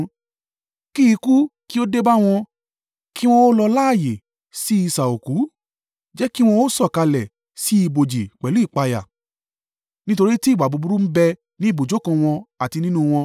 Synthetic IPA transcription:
ki˦i˧ku˦ki˦o˦de˦ba˦w̃ɔ̃˧ | ki˦w̃ɔ̃˦o˦lɔ˧la˦˨je˨ | si˦i˧sa˨o˨ku˨˦ | d͡ʒɛ˦ki˦w̃ɔ̃˧o˦sɔ˦˨ka˧lɛ˨ | si˨˦i˧˨bo˨d͡ʒi˨k͡pɛ˨lu˨˦i˦˨k͡pa˧ja̰˨ | nĩ˦to˧ɾi˦ti˦˨ɡ͡ba˨bu˨˧bu˨˦ɾu˦m̩˦bɛ˧ | nĩ˨˦i˦˨bo˨d͡ʒo˨˦kã˧w̃ɔ̃˧a˨ti˧nĩ˦nũ˦w̃ɔ̃˧

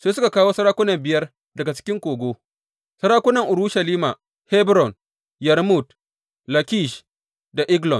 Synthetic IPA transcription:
seː˦sʊ˦ka˨kaː˦woː˦sɐ˦ɾaː˦kʷʊ˦nɐ˨mbɪ˨jɐ˦r | dɐ˨ɡa˨t͡ʃɪ̥˦kʲɪ˦ŋkʷoː˨ɡʷoː˦ | sɐ˦ɽaː˦kʷʊ˦nɐ˨ŋʔʊ˨ɽu˦ʃɐ˨liː˦ma̰˨ | he˦bɾɔ˨n | jɐ˨ɾmu˦˨t | lɐ˨kʲi˦ʃ | da˨ʔɪ˦ɡlɔ˨n

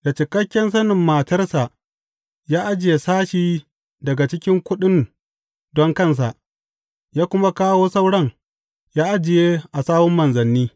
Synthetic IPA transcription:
da˨t͡ʃɪ˨kɐ˦kʲːɛ˦ns̬ɐ˦nɪ˨mːa˨tɐ˦rsa˨ʔ | jaː˦ʔa˦d͡ʒɪ˨je˨saː˦ʃiː˦ | dɐ˨ɡa˨t͡ʃɪ˦kʲɪ˦ŋkʷʊ˦ɗɪ˦n | dɔ˦ŋkɐ˦ns̬a˨ʔ | jaː˦kʷʊ˦ma˦kaː˦woː˦sɐ˦wɽɐ˦ŋ | jaː˦ʔa˦d͡ʒɪ˨jeː˦ʔa˨saː˦wɔ˦mːɐ˨nzɐ˨nːiː˦

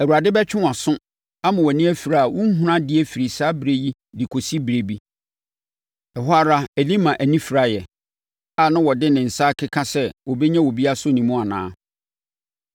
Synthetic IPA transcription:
æ˨wu˨ɾa˨dɪ˦bɛ˦t͡ɕᶣɪ̃˦wã˨sʊ̃˦ | a˦mã˨wɛ˨nĩ˦æ˦fi˨ɾa˨a˨wʊ̃˦ŋ̩˦ɦũ˦ɾã˦dɪ˦ɛ˦fi˨ɾi˨saː˦bɾe˦ji˦ | di˨kʰo˨si˦bɾe˨bi˦ | ɛ˨ɦa˦ɾa˦e˨li˦mã˨ʔæ˨nĩ˦fi˨ɾa˦jɛ˨ | a˨nã˦wɔ˨dɪ˦nɪ̃˨n̩˨saː˦kʰɪ˦kʰã˦sɛ˦wɔ˨bɛ˦ɲã˦wɔ˨bi˦a˦sʊ˦nĩ˨mʊ̃˦a˨nã̰ː˦

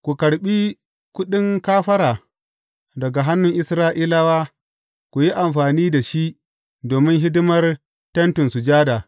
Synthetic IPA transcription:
kʷu˨kɐ˨ɽɓiː˦ | kʊ˦ɗɪ˦ŋkaː˦ɸɐ˦ɾaː˨ | dɐ˨ɡa˨ɦa˦nːʊ˨ŋʔɪ˦sɾaː˦ʔiː˦la˦waː˦ | kʷu˨ji˦ʔa˨mɸaː˨niː˦da˨ʃi˦ʔ | doː˨mɪ˦ŋɦɪ˦dɪ˦mɐ˦r | tɐ˦ntʊ˨nsu˨d͡ʒaː˦daː˨

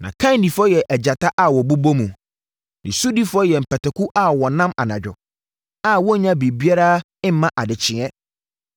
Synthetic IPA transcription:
nã̰˨kʰã˦n˦di˨fɔ˦jɛ˨ʔɛ˨d͡ʑa˨tʰa˦ʔa˦˨wɔ˨bu˦bo˦mũ˨ | nḭ̃˨su˦di˦fʊ˦ɔ˦jɛ˨m̩˨pʰɛ˨tɛ˨kʊ˦ʔa˦wɔ˨nã˦ma̰˨nã˨d͡ʑᶣʊ˨ | a˦wɔ˦ɲã˦bi˨bi˦a˦ɾa˦ | ɪ˦m̩˦mã˦ʔa˨dɪ˨t͡ɕʰɪ̃˨ɛ̃˦

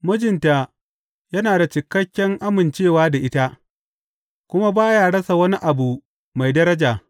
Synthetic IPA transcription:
mʊ˦d͡ʒɪ˨nta˨ | jɐ˦naː˨da˨t͡ʃɪ˨kːɐ˦kʲːɛ˦ŋʔa˦mɪ˨nt͡ʃeː˦˨waː˦da˨ʔɪ˦ta˦ʔ | kʷʊ˦ma˦baː˦jaː˦˨ɽɐ˦sa˨wɐ˦ni˦ʔa˨bu˨ | ma˨jdɐ˦ɾɐ˦d͡ʒaː˨

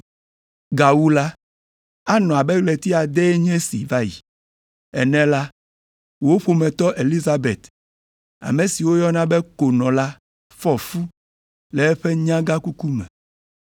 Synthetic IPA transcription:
ɡa˨wu˦la˦ | a˦nɔ̃˨a˨bɛ˦ɡle˨t̪i˦a˨d̪e˦ɲɛ̃˦sḭ˨va˦jḭ˨ | ɛ˨nɛ̃˨la˦ | wo˦ɸo˨mɛ̃˨t̪ɔ˦ʔe˨li˦za˦bḛ˨t̪ | a̰˨mẽ˨si˨wo˦jɔ˦nã˦bɛ˦ko˨nɔ̃˨la˦ | fɔ˦fu˦ | lɛ˨ɛ˦ɸɛ˦ɲã˦ɡa˦ku˦ku˦mɛ̰̃˨

